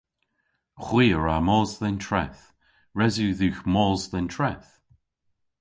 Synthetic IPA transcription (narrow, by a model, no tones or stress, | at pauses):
xwiːəɹamɔːzðɛntʰɹɛθ | ɹɛzuːðuxmɔːzðɛntʰɹɛθ